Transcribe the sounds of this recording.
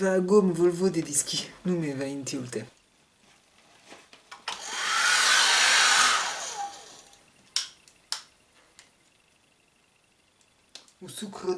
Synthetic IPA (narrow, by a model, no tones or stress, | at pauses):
vaːɡomvolvod̪ed̪iskʲinumevaint̪iult̪ɛ | usukχa